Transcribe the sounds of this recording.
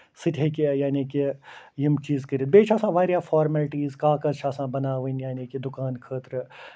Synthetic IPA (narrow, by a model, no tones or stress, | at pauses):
sɪt̪ʰekijaːniːkijimt͡ʃiːzkəɾit̪̚beːt͡ʃʰaːsãːʋaːɾjaːfʰɔːɾməlʈiːzkaːkɐzʃʰaːsãːbɐnaːʋənjaːniːkid̪ʊkaːnkʰəːt̪ɾ